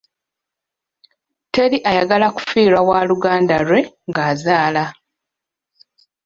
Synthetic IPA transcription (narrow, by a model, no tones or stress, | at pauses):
te̞ɾiʔajaɡalaku̥fiːɾawaːluɡaːndalwe̞ŋɡaːzaːla